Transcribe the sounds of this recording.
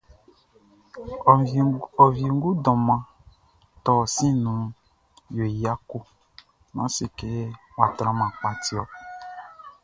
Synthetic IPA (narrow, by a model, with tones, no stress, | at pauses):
ɔ˨vi˨ŋ˦ɡu˦dɔ̃˨mã˨ | tɔ˨sĩ˦nũ˨˦ | jo˨ja˦ku˦ | nã̰˨˦si˨ke˨˦wa˨tɾã˦mã˨k͡pa˨˦ti˦ɔ˨